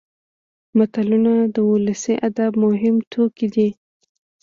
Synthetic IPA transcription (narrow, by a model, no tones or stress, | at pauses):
mat̪alunad̪əʊləsiʔad̪abmʊɦɪmt̪ʰokid̪i